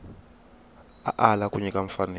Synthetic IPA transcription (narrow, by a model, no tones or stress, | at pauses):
aʔalakʼuɲikʼaɱfanɛ